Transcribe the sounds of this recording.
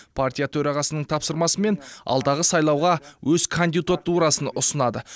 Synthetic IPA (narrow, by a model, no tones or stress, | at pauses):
pʰart̪ʲijat̪ʰɵɾɑʁɑsənəɴt̪ʰɑpsəɾmɑsəme̞nɑ̰lˠd̪ɑʁəsɑjlˠɑwʁɑwʔɵzkʰond̪iut̪at̪uɾɑsənʊsənɑd̪ə